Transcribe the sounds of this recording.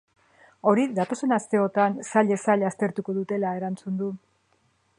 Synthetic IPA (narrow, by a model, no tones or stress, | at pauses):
o̞ɾiðat̪o̞se̞nast̪e̞o̞t̪ansaʎe̞saʎast̪e̞ɾt̪uko̞ðut̪e̞lae̞ɾant͡sund̪u